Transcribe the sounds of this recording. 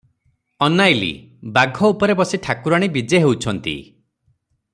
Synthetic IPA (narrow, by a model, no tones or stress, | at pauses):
ɔnajlḭ | baɡʱɔupɔɾebɔsiʈʰakuɾaɽ̃ibid͡ʒeɦewt͡ʃʰɔnt̪ḭ